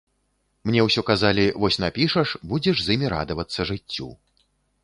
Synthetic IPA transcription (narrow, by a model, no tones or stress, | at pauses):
mnʲɛwsʲɔkazalʲivɔsʲnapʲiʂɐʂbud͡zʲɛʐzimʲiɾa̰d̪ɐvɐt̪sːɐʐɨt͡sʲːṵ